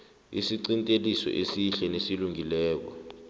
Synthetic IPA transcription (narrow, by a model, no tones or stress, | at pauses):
ḭsiǀintʼelisɔ̰ʔesiɬɛnesiluŋilɛːk̬ɔ̰